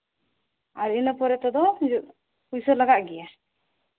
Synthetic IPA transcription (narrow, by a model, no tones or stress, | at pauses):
aɾinəpɔɾɛt̪ɔd̪ɔd͡ʒʔ | pujsəlaɡaʔɡɛja